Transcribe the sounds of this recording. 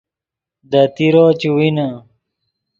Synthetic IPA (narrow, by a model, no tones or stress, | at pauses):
d̪at̪iɾoːt͡ɕiwina